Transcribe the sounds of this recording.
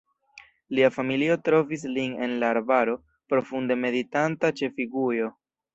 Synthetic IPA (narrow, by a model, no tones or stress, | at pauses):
liafamilio̞tɾo̞vis̬line̞̰nlaːɾbaɾo̞ | pɾo̞funde̞me̞ditantat͡ʃe̞fiɡujo̞